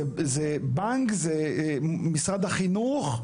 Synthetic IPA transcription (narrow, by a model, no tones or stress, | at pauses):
zɛbaŋkzɛ | misʁad̪aχinuχ